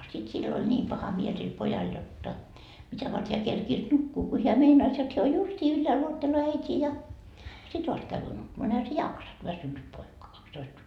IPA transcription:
sit silː olʲ nʲiːm pɑhɑ miel sil pojɑl jotːɑ mitæ ʋɑrt heæ kerkiːs nukːuː ko heæ meinɑis jot heæ o justiː ylːæːl uotːeloː æitʲiː jɑ sit ʋɑst kæyʋyː nukːumɑː no ehæ se jɑksɑt ʋæsynːyt poikɑ kɑkstoist

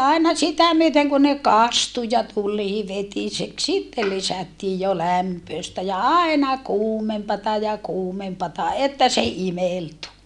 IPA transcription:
ɑinɑ sitæ myøteŋ kun ne kɑstu jɑ tulˑiː ʋetisek sitːe lisætːiː jo læmpøːstæ jɑ ɑenɑ kuːmempɑtɑ jɑ kuːmempɑtɑ etːæ se imeltu

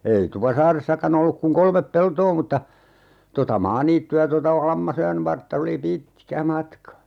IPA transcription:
ei tupɑsɑːresːɑkɑn olːuk kuŋ kolmep peltoː mutːɑ totɑ mɑːniːtːyæ totɑ lɑmːɑsojɑn ʋɑrtːɑ oli pitˑkæ mɑtkɑ

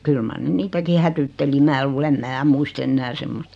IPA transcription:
kyl mɑr ne niːtæki hætytːeli mæː luːl em mæː muist enːæː semːost

